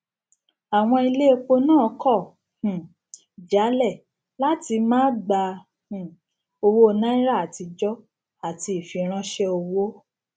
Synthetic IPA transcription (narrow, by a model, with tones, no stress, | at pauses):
a˨w̃ɔ̃˧i˧le˦e˧k͡po˧nãː˦˨˦kɔ˦˨ | h̩˨ | d͡ʒa˨˦lɛ˦˨ | la˦ti˧mãː˦ɡ͡ba˧ | h̩˨ | o˧wo˦˧nã˦ĩ˦ɾa˦˨a˨ti˧d͡ʒɔ˦ | a˨ti˧i˨fĩ˨˦ɾ̃ã˦ʃɛ˦o˧wo˦